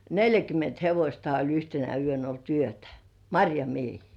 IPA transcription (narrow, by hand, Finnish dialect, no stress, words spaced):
neljækymˑent heʋosʲtɑi olʲ yhtenæ yøn olt yøtæ̥ mɑrʲjɑmiehiː